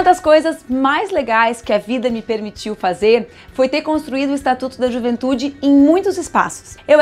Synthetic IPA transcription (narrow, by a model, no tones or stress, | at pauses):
ɐd̪ɐskojzɐzmajzleɡajskɪɐvid̪ɐmɪpeɾmit͡ʃiwfazeɾ | fojt̪eɾkõst̪ɾuid̪ʊɪst̪at̪ut̪ʊd̪ɐʒuvẽnt̪ud͡ʒɪẽj̃mũj̃t̪ʊzɪspa̰sʊ̥sew